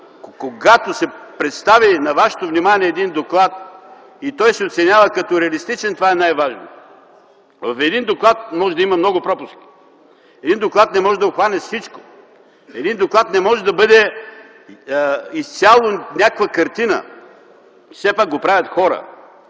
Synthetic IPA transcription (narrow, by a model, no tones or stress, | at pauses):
koɡat̪osɛpɾɛt̪st̪avinɐvaʃɛ̥t̪ovnimaniɛːd̪ind̪oklˠat̪̚ | it̪ɔjsɛot̪sɛnʲjavəkɐt̪ɔɾɛɐlist̪it͡ʃɛnt̪ovaɛnajvaʒno̰ | vɐfɛd̪ind̪oklˠat̪̚mɔʒɛd̪ɐimɐmnɔɡʊpɾɔpʊski̥ | ɛd̪ind̪oklˠat̪nɛmɔʒɛd̪ɐʊxvanɛfsit͡ʃko̥ | ɛd̪ind̪oklˠat̪nɛmɔʒɛd̪ɐbɤd̪ɛ | ist̪sʲalˠonʲakkvəkɐɾt̪inə̰ | fsɛpak̚ɡopɾavʲɐt̪xɔɾə̰